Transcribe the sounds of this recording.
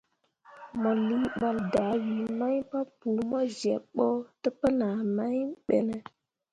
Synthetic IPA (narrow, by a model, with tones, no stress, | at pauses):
mo˨li˦ɓa˨lda˨˦wi˨˦ma˦jpa˦pu˨˦mo˦ze˨ɓo˦tə˦pə˦na˨ma˦jɓḛ˨ne˦